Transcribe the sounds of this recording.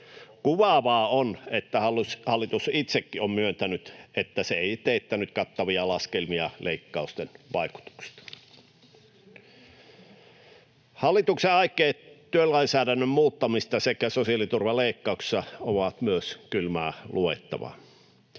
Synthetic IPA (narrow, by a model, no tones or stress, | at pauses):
kuʋɑˑʋɑːonet̪ːæhɑlshɑlːit̪usit̪sekːiommyønt̪ænyt̪et̪ːæseeit̪eit̪ːænyt̪kɑt̪ːɑʋiɑlɑskelmiɑlʔeikːɑust̪enʋɑiku̥t̪u̥kst̪ɑ̥ | hɑlːˑit̪ukseɑikːˑeːttyølɑinsæːɾænːømmuːt̪ːɑmist̪ɑsekæsosiɑlit̪urʋɑleˑikːɑˑuksi̥sːɑoʋɑt̪myøskylmæːluḛt̪ːɑ̰ʋɑ̰